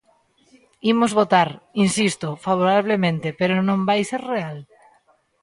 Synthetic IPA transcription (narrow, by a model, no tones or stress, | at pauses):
imozβot̪aɾinsist̪ofaβ̞oɾaβ̞lemẽnt̪epeɾonõmbajseɾreal